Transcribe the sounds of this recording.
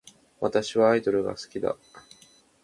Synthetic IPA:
βat̪aɕiβaːid̪o̞ɾɯ̟ɡa̰sɨ̥kʲid̪a̰

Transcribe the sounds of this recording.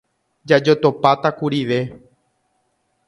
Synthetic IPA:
d͡ʒad͡ʒot̪o̞pat̪akuɾiʋe̞

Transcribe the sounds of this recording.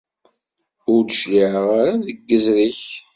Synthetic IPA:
ʊɾd̪əʃliʕʁaɾaðəɡːəzɾiç

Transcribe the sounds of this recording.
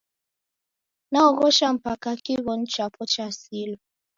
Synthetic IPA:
naɔɣɔʃam̩pakakiβɔn̩t͡ʃapʰɔt͡ʃasilɔ

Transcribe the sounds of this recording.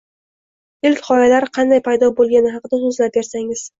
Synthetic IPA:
ɪlkʲχɒjalaɾɪqʰɑnd̪ajpʰajd̪ɒbolˠɡʲanɪɦɑqɨd̪asozlap̚be̞ɾsaŋɪz̥

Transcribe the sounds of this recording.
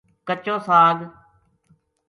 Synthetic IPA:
kət͡ʃõːsaːɡ

